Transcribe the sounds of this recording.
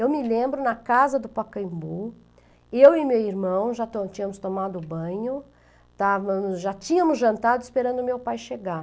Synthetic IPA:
ewmɪlẽmbɾʊnɐkazɐd̪ʊpakɐ̃ĩbu | ewɪmewiɾmɐ̃w̃ʒat̪ot͡ʃĩɲɐ̃mʊst̪omad̪ʊbɐ̃ɲʊ | t̪avɐ̃mʊzʒat͡ʃĩɲɐ̃mʊzʒɐ̃nt̪ad̪ʊispeɾɐ̃nd̪ʊmewpajʃeɡa

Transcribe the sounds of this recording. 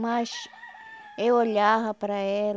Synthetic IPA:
maʃ | eoʎaɦɐpɾaɛl

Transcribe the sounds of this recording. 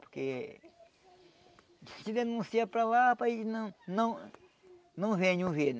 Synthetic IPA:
po̥ɾke | t͡ʃid̪enũsiapɾalapainɐ̃nɐ̃w̃ | nɐ̃w̃vẽɲũven

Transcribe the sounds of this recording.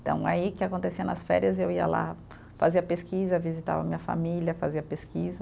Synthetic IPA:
t̪ɐ̰̃w̃a̰ikɪakõt̪esiɐnɐsfɛ̰ɾiɐzewiɐ̰la̰ | faziɐpeskizɐvizit̪a̰vɐ̰mĩɲɐfa̰milʲɐfaziɐpeskizɐ

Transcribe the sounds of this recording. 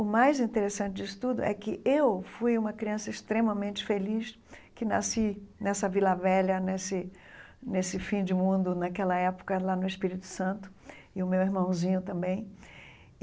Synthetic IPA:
ʊmajzĩnt̪eɾesɐ̃t͡ʃɪd͡ʒisʊ̥t̪ud̪ʊ̰ʔɛkɪʔewfujũmɐkɾiɐ̃sɐɪst̪ɾẽmɐmẽnt͡ʃɪ̥feliʃ | kɪna̰sinɛsɐvilɐvɛʎɐnesɪ | nesɪfĩd͡ʒɪmũnd̪ʊnakɛlɐɛpʊ̥kɐlanʊɪspiɾit̪ʊ̥sɐ̃nt̪ʊ̥ɪʊmeweɾmɐ̃w̃zĩɲʊt̪ɐ̃mbẽj̃

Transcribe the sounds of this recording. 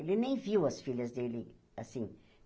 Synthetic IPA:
lɪnẽj̃viwɐsfiʎɐzd̪elɪ̰ | asĩ

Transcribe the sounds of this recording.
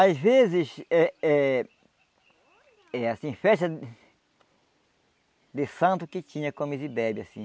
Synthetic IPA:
azvezɪsɛɛ | ɛasĩfɛʃt̪ɐ | d̪ɪsɐ̃nt̪ʊkɪt͡ʃ̪ĩɲɐkõmizibɛbjasĩ

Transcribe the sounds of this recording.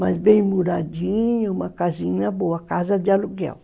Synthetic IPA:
mazbẽj̃muɾad͡ʒĩɲũmɐkazĩɲɐboɐkazɐd͡ʒɪaluɡɛ̰w

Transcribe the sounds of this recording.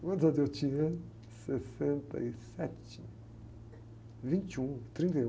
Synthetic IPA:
ɡɐ̃d̪ɐ̃d̪ewt͡ʃĩɲɐ | sesẽnt̪ɐ̰isɛt͡ʃɪ | vĩnt͡ʃũt̪ɾĩnt̪ɐj

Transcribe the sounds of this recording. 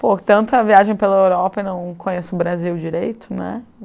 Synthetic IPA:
pot̪ɐ̃nt̪ʊɐviaʒẽj̃pelɐewɾɔpɐinɐ̃w̃kʰõɲesʊbɾaziwd͡ʒiɾejt̪ʰʊnɛ̰

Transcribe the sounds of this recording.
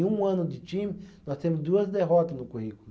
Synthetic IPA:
ũɐ̃nʊd̪ɪt͡ʃĩmɪnɔst̪ẽmʊzd̪uɐzd̪eɦɔt̪ɐznʊkuhik

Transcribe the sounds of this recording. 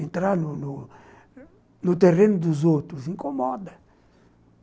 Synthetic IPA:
ẽnt̪ɾanunu | nut̪erenʊd̪uzot̪ɾuzĩŋkomɔd̪ɐ

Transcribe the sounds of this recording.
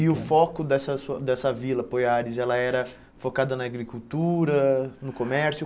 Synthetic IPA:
ɪʊfɔkʊd̪ɛsɐsuɐd̪ɛsɐvilɐpojaɾɪzɛlɐɛɾɐ | fokad̪ɐnɐːɡɾikut̪uɾɐnʊkomɛɾsjʊ

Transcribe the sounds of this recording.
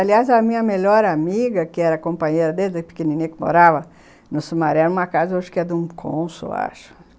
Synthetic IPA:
aliazɐmĩɲɐmeʎɔɾamiɡɐkɪɛɾɐkõmpɐ̃ɲejɾɐd̪eld̪ɐpe̥kenĩnĩɐkɪmo̰ɾavɐ | nʊsumaɾɛɾũmɐkazɐoʒʊ̥kɪɛd̪ũkʰõ̰sḛa̰ʃʊ̥

